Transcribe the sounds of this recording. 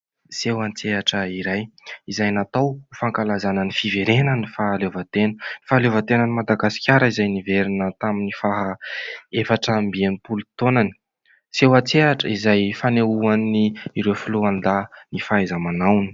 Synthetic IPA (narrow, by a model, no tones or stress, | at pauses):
sewant͡seɦaʈ͡ʂəiɾajizajnat̪awfaŋkalazanənifiveɾenənifalevat̪enənifaːlevat̪enənimad̪aɡasi̥kʲaɾəizajniveɾinət̪aminifaɦaefaʈ͡ʂaəmbienipulut̪onani̥ | sewat͡seaʈ͡ʂə̰izajfaneuanniiɾewfiluanlanifaazamanawni̥